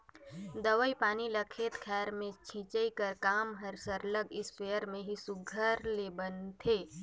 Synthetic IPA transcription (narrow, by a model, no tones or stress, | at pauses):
d̪əʋəipaːniləkʰet̪kʰɛːɾmẽt͡ʃʰĩːt͡ʃəikəɾkaːmɦəɾsəɾləɡɪspejəɾmẽɦisʊɡʱəɾlebənt̪ʰeː